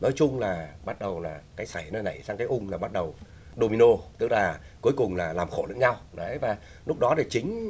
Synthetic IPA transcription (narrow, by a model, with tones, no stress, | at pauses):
nɔ˨˦jt͡ɕʊ˧ŋ͡mlaː˨˩ɓa˦˥t̚ɗə˨˩wlaː˨˩kaː˨˦jsa˧˩jnəː˧jna̰˧˩jsaː˧ŋkaː˨˦jʔʊ˧ŋ͡mlaː˨˩ɓa˦˥t̚ɗə˨˩w | ɗo˧mi˧no˧t̪ɨ˦˥k̚laː˨˩ | ku˨˦jkʊ˨˩ŋ͡mlaː˨˩laː˨˩mxo˧˩lɨ̰˧˨˥ŋɲa˧wɗə̰˨˦jvaː˨˩ | lʊ˦˥k͡p̚ɗɔ˨˦ɗe˧˩t͡ɕï˨˦ŋ̟